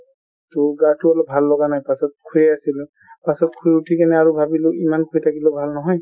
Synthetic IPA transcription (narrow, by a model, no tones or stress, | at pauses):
tʊɹɡatʊalɔp̚bʱalːɔɡanajpasɔt̚kʰujɛasil | pasɔt̚kʰujutʰikɛnɛaɹubʱabilʊimankʰujtʰakilobʱalnɔɦɔj